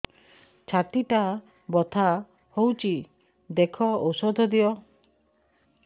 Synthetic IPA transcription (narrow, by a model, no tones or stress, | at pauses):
t͡ʃʰat̪iʈa | bɔt̪ʰa | howt͡ʃʰi | d̪ekʰɔowsɔd̪ʱɔd̪iɔ